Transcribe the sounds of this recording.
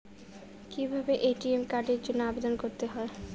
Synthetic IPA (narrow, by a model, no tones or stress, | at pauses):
kibʱabeʔeʈiemkaɖeɾd͡ʑonːoabed̪onkoɾt̪eɦɔe